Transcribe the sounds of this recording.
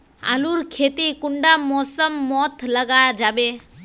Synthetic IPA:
a̰luɾkʰet̪ikuɳɖamɔsəmːɔt̪ʰləɡad͡ʒabe

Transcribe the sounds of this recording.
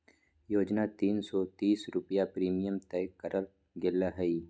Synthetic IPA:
joːd͡ʒnat̪iːnsɔt̪iːsɾʊpijapɾiːmijəmt̪ɛːkəɾʔəl | ɡɪlːaɦɐi

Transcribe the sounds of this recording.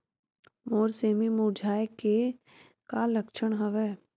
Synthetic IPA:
moːɾseːmimud͡ʒʱaːeke | kaləkʃəɳ̃ɦəʋɛː

